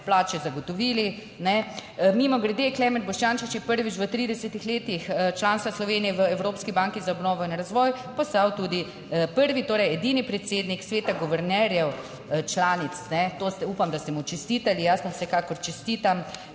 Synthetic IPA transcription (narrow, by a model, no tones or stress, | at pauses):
plaːt͡ʃɛzaɡɔt̪ɔʋiːli | nɛmiːmɔɡɾɛd̪eklɛːmɛnt̪bɔʃt͡ʃaːnʃit͡ʃjɛpəɾʋit͡ʃʋət̪ɾiːd̪ɛsɛt̪ixleːt̪ixət͡ʃlaːnst̪ʋaslɔʋeːnijɛʋəɛwɾoːpskibaŋkizaɔbnɔːʋɔinɾazʋɔːjpɔst̪awt̪uːd̪i | pəɾʋit̪oːɾɛjɛd̪iːnipɾɛt̪seːd̪niksʋeːt̪aɡɔʋɛɾnɛɾjɛw | t͡ʃlaːnit̪snɛt̪oːst̪ɛuːpamd̪ast̪ɛmut͡ʃɛst̪iːt̪alijasmɔwsɛkaːkɔɾt͡ʃɛst̪iːt̪am